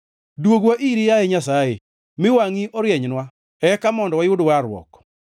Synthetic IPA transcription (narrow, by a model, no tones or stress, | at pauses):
dwoɡwaʔiɾijaeɲasaḛ | mɪwaŋiʔɔɾjɛɲnwa | ɛkamɔndɔwajʊdwaɾwɔ̰k